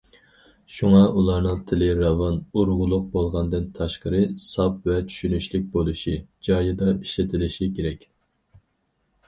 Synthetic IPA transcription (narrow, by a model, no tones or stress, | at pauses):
ʃuŋɑʔulˠɑɾnɨŋt̪ʰɪlɪɾɑvɑnuɾʁʊlˠʊq̚bolˠʁɑnd̪ɨnt̪ʰɑʃqəɾɨsɑp̚vɛt͡ʃʰy̥ʃynyʃlɪk̚ʲbolˠuʃid͡ʒɑjɨd̪ɑi̥ʃlɪt̪ʰɪlɪʃikʲʰeɾɛkʲ